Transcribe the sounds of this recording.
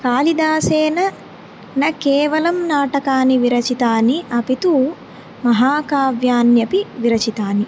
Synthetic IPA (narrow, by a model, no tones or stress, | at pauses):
kaːlid̪aːseːnɐ | nɐkɛːʋɐlɐmnaːʈɐkaːniʋiɾɐt͡ʃit̪aːniʔɐpit̪u | mɐɦaːkaːʋjaːnjɐpiʋiɾɐt͡ʃit̪aːni